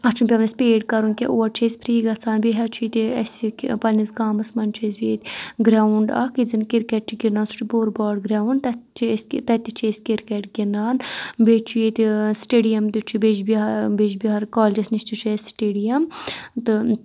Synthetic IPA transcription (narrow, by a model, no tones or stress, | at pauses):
ɐt͡ʃʰumpʲɐʋnɐsʲpeːɖkɐɾunkʲeʔoːɐɾt͡ʃʰeːsʲpʰɾiːɡɐt͡sʰaːnbiɦɐt͡ʃʰuit̪iɐsʲikʲpɐlʲisɡaːmɐsmɐnt͡ʃʰesbit̪ʲɡɾʲaːuɳɖa̰kid͡zinkiɾkeʈ̚t͡ʃiɡinaːnsu̥ʈʰiboɾbaːɽɡɾʲaːwuɳɖt̪ɐt͡ʃʰst̪ɐt̪it͡ʃʰeːskiɾkeʈɡinaːnbet͡ʃʰujet̪isʈeːɖijɐmd̪it͡ʃʰibed͡ʒbiɐbed͡ʒbiɦɐɾkaːlʲd͡ʒɐsnist̪it͡ʃʰesʈeːɖijɐmt̪ɨ